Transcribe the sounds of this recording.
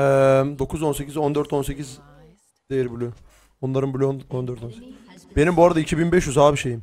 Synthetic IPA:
ɛmd̪o̞kʰuzo̞nse̞cizo̞nd̪øɾt̪o̞nse̞ciz | d̪̥ejɾbylʲy | onlˠaɾɯnbylʲynond̪øɾt̪onsecbe̞nimbuaɾad̪aicʰibinbɛʃjyzhaːbiʃejim

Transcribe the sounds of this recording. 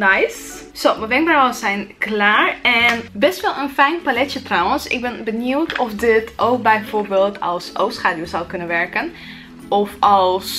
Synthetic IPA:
najs | sowməʋɪŋbrwəsɛjnklaːɹɛnbɛstʋɛlˠənfɛjnpalɛtjətrawənsɪ̰ɡ̚bɛnbənuwtʰɔfdɪtʔowk̚bɛjfoːɹbeːlˠtʰɑlˠso̰wsχaːdjosawkɵnənʋɛɹkən | ʔɔfɑlˠs

